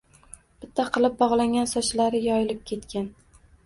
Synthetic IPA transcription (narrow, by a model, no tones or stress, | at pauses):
b̥ɪt̪ʰːaqʰɨlˠɪp̚bɒʁlˠaŋʲansɒt͡ʃlaɾɪjɒjɪlɪp̚kʲʰe̞t̪kʲan